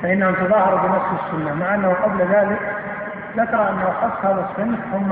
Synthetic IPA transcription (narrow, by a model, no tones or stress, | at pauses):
faʔɪnːhant̪ɑðˤɑːhɑɾˤbɪnafsɪsːʊnːamaʕʔanːahuqɑblðaːlɪk | ðakɾˤɑʔanːawʔɑxɑfˤt̪haːðasːɪnħθʊmː